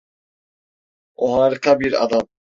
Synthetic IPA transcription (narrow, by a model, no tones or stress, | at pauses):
oɦaːɾɯqʰabiɾa̰d̪am